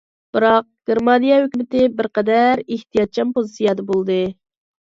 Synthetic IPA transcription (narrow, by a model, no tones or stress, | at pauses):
b̥ɨɾɑq̚ɡ̥ʲeɾmɑnijɑhøkʲymɪt̪ɪbɪɾqɛd̪æɾeht̪ʰijɑt̪̚t͡ʃʰɑmpozɨsijɑd̪əbolˠd̪ɨ